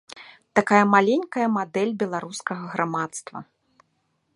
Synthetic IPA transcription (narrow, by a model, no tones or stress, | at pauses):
t̪akajɐmalʲenʲkɐjɐmad̪ɛlʲbʲɛlˠaɾuskɐɣɐɣɾamat̪st̪vɐ̰